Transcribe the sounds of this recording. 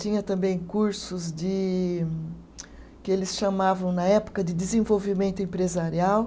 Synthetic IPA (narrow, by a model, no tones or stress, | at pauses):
t̪ĩɲɐt̪ɐ̃mbẽj̃kuɾsʊzd͡ʒɪ | kɪelɪsʃamavɐ̃w̃nɐɛpʊ̥kɐd̪ɪd̪ɪzẽvowvimẽnt̪ʊẽmpɾezaɾiaw